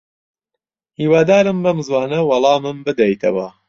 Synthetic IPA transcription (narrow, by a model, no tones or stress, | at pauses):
hiːwaːd̪aːɾɨmbɐmzwɑːnɐwɑlˠɑːmɨmbɨd̪ɐjt̪ʰɐ̰wɐ